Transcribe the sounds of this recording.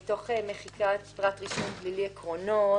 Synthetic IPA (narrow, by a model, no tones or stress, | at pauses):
to̞χemeχikatpʁatʁiʃonɡliliekʁono